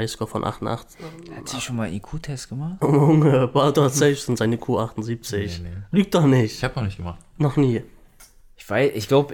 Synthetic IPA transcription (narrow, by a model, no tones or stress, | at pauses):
aɪskɔfɔ̰nʔa̰χtn̩ʔa̰χt͡shatiʃoːnmaːlʔikʰuːtʰɛsɡ̥əmaχtomʊŋəb̥aʊdɔz̥ɛlfsʊntz̥aɪnəkʰuːʔaχtn̩ziːp̚t͡sɪçlyːk̚d̥ɔχnɪçtçhaːpnɔχnɪçɡ̥əmaχtnɔχniː | ʔɪçv̥aɪsɪçɡ̥laʊbə